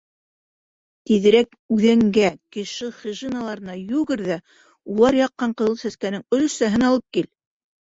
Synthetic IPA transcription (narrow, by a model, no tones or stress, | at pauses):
t̪iðɘ̆ɾæk | ʉðæŋɡækɘ̆ʃɘχiʒinalˠɑɾɤ̆nɑjʉɡɘɾðæ | ulˠɑɾjɑqːɑɴqɤ̆ðɤlˠsæskænɘŋɵ̆l̆sæɦɘnɑlˠɤp̚kil